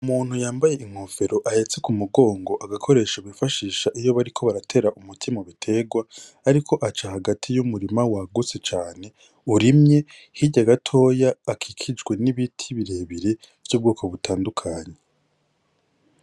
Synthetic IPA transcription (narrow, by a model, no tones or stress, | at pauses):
umuːn̥hujaːmbaje̞iŋ̥ove̞ɾo̞ʔahe̞t͡se̞kumuɡo̞ːŋɡo̞ʔaɡakʰo̞ɾe̞ːʃaβifaʃiːʃaʔijo̞βaɾikʰo̞βaɾatʰe̞ɾaʔumutʰimoβitʰe̞ɡwaː | ɾikʰo̞ʔat͡ʃahaɡatʰijumuɾimawaɡut͡se̞t͡ʃaːne̞ | uɾimɲe̞ | hiɟaɡatʰo̞ːjaːkʰikʰid͡ʒɡwe̞niβitʰiβiɾe̞ːβiɾe̞ | v̥juːb̚ɡuːkʰo̞βutʰaːndukʰaːɲe